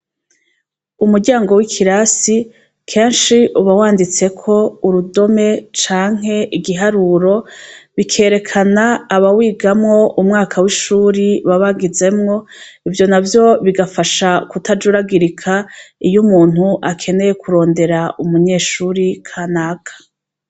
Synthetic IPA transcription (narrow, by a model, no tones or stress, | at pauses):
umuɾɟaːŋɡo̞wikʰiɾasi | kʰe̞ːnʃiʔuβawaːndit͡se̞kʰo̞uɾudo̞me̞t͡ʃaːŋ̥he̞ʔiɡiɦaɾuːɾo̞βikʰe̞ːɾe̞kʰanaːβawiːɡamŋo̞ʔumŋaːkʰawiʃuːɾiβaβaɡize̞mŋo̞ivjo̞navjo̞βiɡafaʃakutʰad͡ʒuɾaɡiɾikʰaijumuːn̥huʔakʰe̞ne̞je̞kʰuɾo̞ːnde̞ɾaumuɲe̞ːʃuɾikʰanaːkḁ